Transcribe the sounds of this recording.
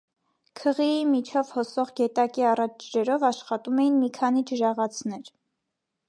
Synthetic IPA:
kʰəʁiimit͡ʃʰɔvhɔsɔʁɡɛt̪ɑkiɑrɑt͡ʃʰd͡ʒɾɛɾɔvɑʃχɑt̪umɛjinmikʰɑnid͡ʒəɾɑʁɑt͡sʰnɛɾ

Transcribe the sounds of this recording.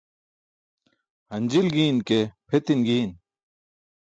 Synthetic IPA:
hɐnd͡ʑilɡiːnkepʰet̪inɡiːn

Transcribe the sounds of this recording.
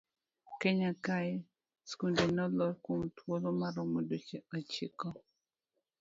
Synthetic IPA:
keɲakaɛ | skundenɔlɔɾkomtwolomaɾɔmodot͡ʃeot͡ʃikɔ

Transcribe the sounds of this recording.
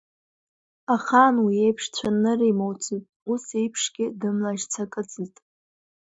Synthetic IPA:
aχanwiejpʰʂt͡sʷʰanɨrimowt͡sʰitʼusejpʰʂɡʲɪdɨmlaʒt͡sʰakʼɨt͡sʼɨtʼ

